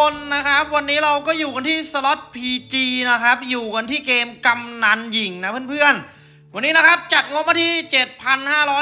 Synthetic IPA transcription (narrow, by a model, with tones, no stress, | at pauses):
o˧nːa˦˥kʰa˦˥p̚wa˧nːiː˦˥ɾa˧wkɔː˥˩juː˨˩ka˧nt̪ʰiː˥˩sa˧lɔ˦˥t̪̚pʰiː˧t͡ɕiː˧na˦˥kʰa˦˥p̚juː˨˩ka˧nt̪ʰiː˥˩keː˧mka˧mna˧nji˨˩ŋna˦˥pʰɯ˥˩npʰɯ˥˩ən | wa˧nːiː˦˥na˦˥kʰa˦˥p̚t͡ɕa˨˩t̪̚ŋu˧˥əma˥˩t̪ʰiː˥˩t͡ɕe˨˩t̪̚pʰa˧nhaː˥˩ɾɔː˦˥